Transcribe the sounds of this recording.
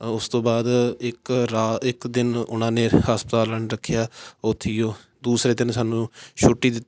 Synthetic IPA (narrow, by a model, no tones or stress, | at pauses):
ʊst̪õːbaːd̪ɪkɾaːɪkd̪ɪnʊnãːneːhaːspət̪aːləɳɾəkʰːjaːʊt̪ʰːiːjoː | d̪uːsɾeːd̪ɪnsaːnũːʃʰʊʈːiːd̪ɪt̪ː